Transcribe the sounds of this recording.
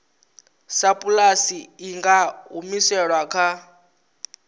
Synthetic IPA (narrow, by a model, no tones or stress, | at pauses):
sapʼulasiːŋɡaumisɛɺwakʰa